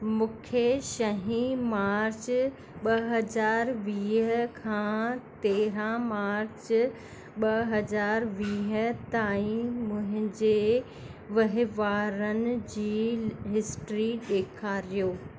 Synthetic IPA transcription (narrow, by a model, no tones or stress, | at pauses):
mʊ̃ːkʰeʃɐɦĩmaːɾt͡ɕ | ɓɐɦɐzaːɾʋiːɦəkʰãːt̪eːɾãmaːɾt͡ɕ | ɓɐɦɐzaːɾʋiːɦə̆t̪aːĩmʊ̃ɦɪ̃ɲd͡ʑe | ʋɐɦɪʋaːɾənɪ̆d͡ʑiːɦɪsʈɾiɗeːkʰaːɾijoː